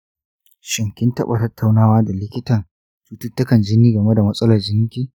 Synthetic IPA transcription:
ʃɪ˨ŋkʲɪ˦ntɐ̰˦ɓa˨tɐ˦tːa˨wnaː˦waː˦da˨lɪ˦kʲɪ˦tɐ˨n | t͡ʃuː˦tʊ˦tːʊ˦kɐ˨nd͡ʒɪ˦niː˦ɡɐ˨me˦da˨mɐ˦sʼɐ˦lɐ˨rd͡ʒɪ˦ŋ˦kʲiː˦

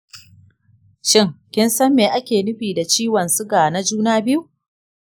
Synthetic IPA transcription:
ʃɪ˦ŋkʲɪ˦nsɐ˦mːeː˨ʔa˦kʲeː˨nɪ˦ɸiː˨da˨t͡ʃiː˦wɐ˨nsʊ˦ɡaː˨na˦d͡ʒuː˦naː˦bɪ˦ju˦

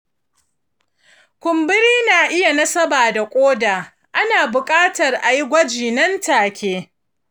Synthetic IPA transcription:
kʷʊ˨mbɪ˦ɾiː˦naː˨ʔɪ˦ja˨nɐ˦sɐ˦baː˨da˨kʷʼoː˦daː˨ | ʔa˦naː˨bʊ˨kʼaː˦tɐ˨rʔa˨ji˦ɡʷɐ˦d͡ʒiː˨nɐ˦ntaː˨kʲeː˦

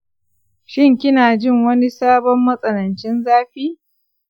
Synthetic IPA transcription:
ʃɪ˦ŋkʲɪ˦naː˨d͡ʒɪ˦˨ŋwɐ˦ni˦saː˦bɔ˦mːɐ˦sʼɐ˨nɐ˨nt͡ʃɪ˦nzaː˦ɸiː˦

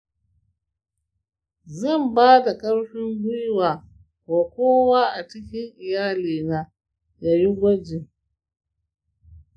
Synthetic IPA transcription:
zɐ˦˨mbaː˦da˨kɐ˦ɽɸɪ˦ŋɡʷʊ˦jwaː˨ | waː˨kʷoː˦waː˦ʔa˨t͡ʃɪ˦kʲɪ˦ŋʔɪ˨jaː˦liː˨naː˦ | ja˨ji˦ɡʷɐ˦d͡ʒɪ˨ŋ

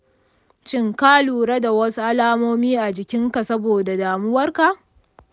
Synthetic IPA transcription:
t͡ʃɪ˦ŋka˦luː˨ɾe˦da˨wɐ˦su˦ʔa˦laː˦moː˦miː˦ʔa˨d͡ʒɪ˨kʲɪ˦ŋka˨sɐ˦boː˨da˨daː˨mʊ˦wɐ˦rka˨ʔ

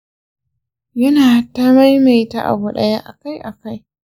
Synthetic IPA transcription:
jɐ˦naː˨ha˨tːaː˦ma˦jma˨jta̰˦ʔa̰˨bu˦˨ɗɐ̰˦ja˦ʔa˨ka˦jʔa˨ka˦j

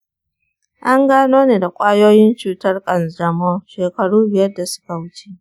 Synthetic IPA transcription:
ʔa˦ŋɡaː˦noː˦neː˨da˨kʷʼaː˦joː˦jɪ˦nt͡ʃuː˨tɐ˦rkʼɐ˨nd͡ʒɐ˨moː˦ʃeː˨kɐ˨ɽuː˦bɪ˨jɐ˦rda˨sʊ̥˦ka˨wʊ˦t͡ʃe̥ː˦ʔ

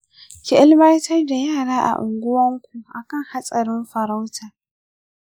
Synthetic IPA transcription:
kʲɪ˦˨ʔɪ˦lbɐ˦jtʰɐ˦rda˨jaː˦˨ɽaː˦ʔa̰˨ʔʊ˨ŋɡʷʊ˦wɐ˦ŋkʷu˨ʔa˨kɐ˦˨ŋha˦sʼɐ˨ɾɪ˦mɸɐ˨ɾa˦wtʰaː˨

